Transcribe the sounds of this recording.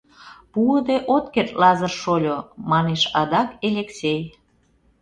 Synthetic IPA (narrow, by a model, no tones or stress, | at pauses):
puəd̪eʔot̪kert̪lɑzərʃolʲomɑneʃɑd̪ɑkelʲeksʲej